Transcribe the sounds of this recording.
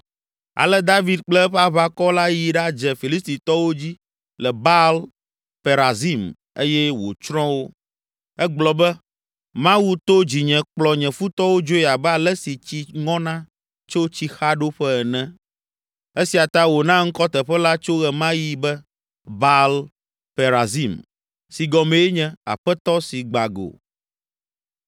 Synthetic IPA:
a̰˨lɛ˦d̪a˦vi˦d̪̚k͡plɛ˦ɸa˦βa˦kɔ˦la˦ji˨ɖa˦d͡ʒɛ˨fi˨li˦st̪i˨t̪ɔ˦wo˦d͡ʑi˦ | lɛ˨ba˦l | pe˨ɾa˨zi˦m | e˦jɛ˦wo̰˨t͡ʃɾɔ̃˦wo˦ | ɛ˦ɡ͡blɔ˨bɛ˦ | mã˦wu˦t̪o˦d͡ʑi˨ɲɛ̃˨k͡plɔ˨ɲɛ̃˨fu˦t̪ɔ˦wo˦d͡ʒo˦ja˨bɛ˦a˨lɛ˦si˨t͡ɕi˦ŋɔ̃˦nã˦ | t͡ʃo˦t͡ɕi˦xa˦ɖo˦ɸɛ˦ɛ˨nɛ̃˦ | e˦si˨a˨t̪a˦wo˨nã˦ŋ̩˦kɔ˦t̪ɛ˨ɸɛ˦la˦t͡ʃo˦ɣɛ˨mã˦ji˦bɛ˦ | ba˦l | pe˨ɾa˨zi˦m | si˨ɡɔ˨mẽ˨e˦ɲɛ̃˨a̰˨ɸɛ˦t̪ɔ˦si˨ɡ͡ba˨ɡo̰˨

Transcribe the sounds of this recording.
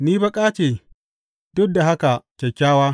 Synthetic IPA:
niː˦bɐ˦kʼaː˦t͡ʃeː˨ | dʊ˦da˨ɦa˦ka˨kʲe˨kʲːaː˦waː˦

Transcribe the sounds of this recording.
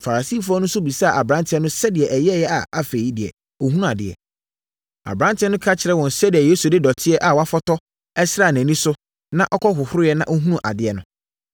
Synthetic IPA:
fa˨a˨si˦˨fʊ˦a˦nʊ̃˦sʊ˦bi˨sa˦˨ʔa˨bɾã˦ntʰɪ˦ɛ˦nʊ̃˦sɛ˦dɪ˨ɛ˨ʔɛ˨jɛ˦jɛ˦a˨a˨fe˨ji˦dɪ˨ɛ̰˨ | o˨hu˦ũ˦a˨dɪ̰˨ɛ̰˨ | a̰˨bɾã˦ntʰɪ˦ɛ˦nʊ̃˦kʰa˦t͡ɕʰɪ˨ɾɛ˦wɔ̃˨n̩˨sɛ˦dɪ˨ɛ˨je˦su˨dɪ˦dɔ˨tʰɪ˦ɛ˦ʔa˨wɔ˨a˦fɔ˦tɔ˦ | ɛ˦sɪ˦ɾa˦˨næ̃˨nĩ˦sʊ˦ | nã˦ʔɔ˦kʰɔ˦ɦʊ˨hʊ˦ʊ˦jɛ˦nã̰˦ʔo˦ɦũ˦ũ˦ʔa̰˨dɪ˦ɛ˨nʊ̃˨˦

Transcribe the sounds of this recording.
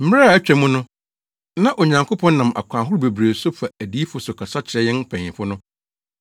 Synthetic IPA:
m̩˦m˦ɾa˦a˨æ˦t͡ɕᶣæ˨mũ˦nʊ̃˦ | nã˦ʔo˨ɲã˨ŋkʰo˦pʰɔ̃˦n˦nã˨mʔa̰˨kʷʰã˨ɦʊ˦ɾʊ˦be˨bɾe˨sʊ˦fa˨æ˨diː˦fʊ˨sʊ˨kʰa˨sa˦t͡ɕʰɪ˨ɾɛ˨˦jɪ̃˦npʰɛ̃˨ɪ̃˨fʊ˦nʊ̃˦

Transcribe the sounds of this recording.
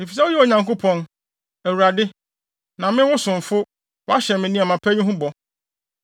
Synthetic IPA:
e˨fi˨sɛ˦ʊ˦jɛ˦o˨ɲã˨ŋko˦pʰɔ̃˦n | æ˨wu˨ɾa˨dɪ˦ | nã˨mɪ̃˦wʊ˦sʊ̃˨ɱ˨fʊ˦ | wɔ˦a˦ɕɛ˨mɪ̃˨nĩ˦a˨mã˨pʰæ˦ɲũ˦ɦũ˦bɔ˨

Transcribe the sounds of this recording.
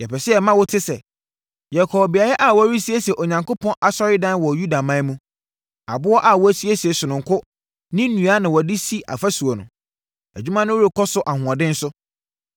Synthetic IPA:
jɛ˨pɛ˨sɪ˦ɛ˨mã˦wʊ˦tʰɪ˦sɛ̰˨ | jɛ˨kʰɔ˨bi˨a˨jɛ˦ʔa˨wɔ˦ɾi˦si˦e˦sɛ˨ʔo˨ɲã˨ŋkʊ˦pɔ̃˦nʔa˨sɔ˦ɾɪ˦dã˦n˦wɔ˨ju˦da˨mã˦mũ˦ | a̰˨bʊ˦ɔ˦ʔa˨wɔ˦æ˦si˦e˦si˨e˨sʊ˨nʊ̃˨ŋ˨kʰʊ˦ | nɪ̃˦nũ˨a˦nã˨wɔ˨dɪ˦si˦ʔa̰˨fa˦su˨o˨nʊ̰̃˨ | æ̰˨d͡ʑᶣu˦mã˦nʊ̃˦wʊ˦ɾi˨kʰɔ˦sʊ˦ʔa˨hʊ̃˨ã˨dɪ̃˦n̩˦sʊ˦

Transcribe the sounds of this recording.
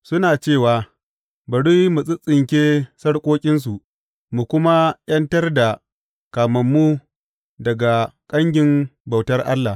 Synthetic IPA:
sʊ˦naː˨t͡ʃeː˦˨waː˨ | bɐ˨ɽu˦mu˨sʼɪ˦t͡sʼɪ˨ŋkʲeː˦sɐ˦ɽkʷʼoː˦kʲʼɪ˦ns̬u˨ʔ | mu˨kʷʊ˦ma˦j̰ɐ˦ntɐ˦rda˨ | kaː˨mɐ˨mːu˦ | dɐ˨ɡa˨kʼɐ˦ŋɡʲɪ˨mba˨wtɐ˦rʔa̰˦lːa˨

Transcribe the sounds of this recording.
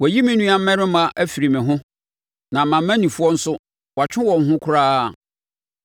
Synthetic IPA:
wɔ˨ji˦mɪ̃˦nũ˦a˦m̩˦mɛ̃˦ɾɪ̃˦mã˦ʔæ˦fi˨ɾi˨mɪ̃˨ɦʊ̃˦ | nã˨m̩mã˨mː˦æ̃˦nĩ˨fʊ˦ɔ˦n̩˦sʊ˦ | wa˨t͡ɕᶣʰɪ̃˦wɔ̃˨ŋ̩˦ɦʊ̃˦kʰʊ˦ɾaː˦˨

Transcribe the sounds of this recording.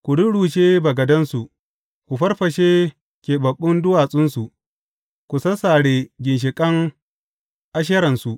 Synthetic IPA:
kʷu˨dʊ˦ɽuː˨ʃeː˦bɐ˨ɡɐ˨dɐ˦nsu˨ʔ | kʷu˨ɸɐ˦rɸɐ˨ʃeː˦ | kʲeː˨bɐ˨ɓːʊ˦ndʊ˦waː˨sʼʊ˦nsu˨ʔ | kʷu˨sɐ˦saː˨ɽeː˨ɡʲɪ˨nʃ̬ɪ˨kʼɐ˦ŋ | ʔa˦ʃ̬ɐ˦ɾɐ˨nsu˨ʔ

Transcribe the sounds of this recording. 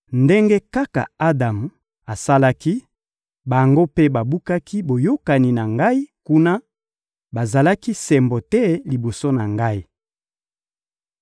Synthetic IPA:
nde˦ŋɡe˦ka˦ka̰˨a˦da˨m˨ | a˨sa˦la˦ki˦ | ba˨ŋɡo˦pe˦ba˨bu˦ka˦kʰi˦bo˨jo˦ka˨ni˨na˨ŋɡa˦i˦ku˦na˦ | ba˨za˨la˦ki˦sɛ˨mbɔ˨tɛ˦li˨bo˨so˦na˨ŋɡa˦i˦

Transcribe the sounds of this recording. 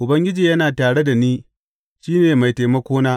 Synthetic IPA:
ʔʊ˨bɐ˦ŋɡʲɪ˦d͡ʒiː˨jɐ˦naː˨taː˨ɽe˦da˨niː˦ | ʃiː˦neː˨ma˨jtaː˨mɐ˦kʷoː˦naː˦

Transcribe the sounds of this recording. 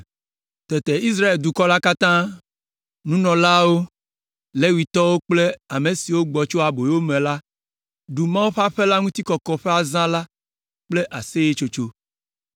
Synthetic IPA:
t̪ɛ˨t̪e˨i˦s̬ɾa˦e˨ld̪u˨kɔ˦la˦ka˦t̪ã˦ | nũ˦nɔ̃˨la˦wo˦ | le˦wi˨t̪ɔ˦wo˦k͡ple˦a˨me˨si˨wo˦ɡ͡bɔ˨t͡ʃo˦a˨bo˨jwo˦mẽ˨la˦ | ɖu˨mã˦wo˦ɸa˦ɸe˦la˦ŋũ˦t̪i˦kɔ˨kɔ˦ɸe˦a˨zã˦la˦ | k͡ple˦ʔa˨se˦je˦t͡ʃo˦t͡ʃo˦

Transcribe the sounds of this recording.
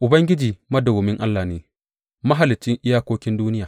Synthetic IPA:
ʔʊ˨bɐ˦ŋɡʲɪ˦d͡ʒiː˨mɐ˦dɐ˨wo˨mɪ˦ŋʔa˦lːaː˨neː˨ | mɐ˦ɦa˨lɪ˨t͡ʃːɪ˦ŋʔɪ˦jaː˦kʷoː˦kʲɪ˦nduː˦nɪ˦jaː˨

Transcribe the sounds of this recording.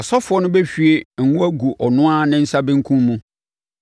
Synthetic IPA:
ɔ˨sɔ˦fʊ˨˦ɔ˦nʊ̃˦bɛ˦ɕᶣi˨e˨ŋ̩˨wũ˦æ˦ɡu˨ʔɔ˨nʊ̃˦a˦nɪ̃˦n̩˦sa˦bɪ̃˦ŋ̩˦kʰũ˦mmũ˦

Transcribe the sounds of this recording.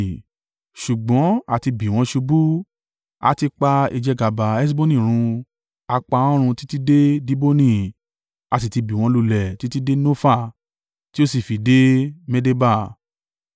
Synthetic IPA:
ʃu˨ɡ͡bɔ̃˨˦a˦˨ti˧bi˨w̃ɔ̃˧ʃu˧bu˦ | a̰˦ti˧k͡pa˧i˧d͡ʒɛ˧ɡa˨ba˨ɛ˦s̬bo˦nĩ˦˨ɾ̃ũ˧ | a˧k͡pã˧˦ɾ̃ũ˧ti˦ti˦de˦di˦bo˦nĩ˦˧˨ | a˨ti˨ti˧bi˨w̃ɔ̃˧lu˧lɛ˨ti˦ti˦de˦no˦fa˦˨ | ti˦o˦si˨fi˨de˦mɛ˦de˦ba˦˨

